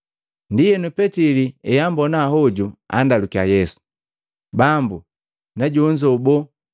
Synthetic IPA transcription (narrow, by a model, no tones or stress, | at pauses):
ndijɛnupɛtiliɛjambɔnaɦɔɟua̰ndalukiajɛsu̥ | bambu | naɟuɲd͡ʒɔubɔ